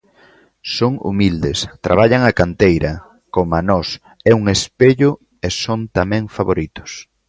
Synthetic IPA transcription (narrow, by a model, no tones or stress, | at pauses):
soŋṵmild̪est̪ɾa̰β̞aʎaŋakant̪ejɾʔɐ | komanɔs | ɛuŋespeʎʊ | esont̪amɛ̃ŋfaβoɾit̪ʊ̥s